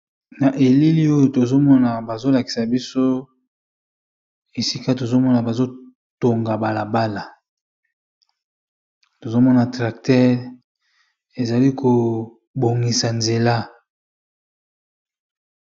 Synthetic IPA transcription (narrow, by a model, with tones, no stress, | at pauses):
na˨ʔe˨li˦li˦o˦jo˨to˨zo˦mɔ˦na˨ba˨zo˦la˨ki̥˨sa˨bi˦so˦ | e˨si˦ka˦t̬o˨zo˦mɔ˦na˨ba˨zo˦ | to˨ŋɡa˨ba˨la˨ba˦la˨ | to˨zo˦mɔ˦na˨tʁa˨k̚tɛ˦ʁ | e˨za˨li˦kʰo˨ | bo˨ŋɡi˨sa˨nze˨la˦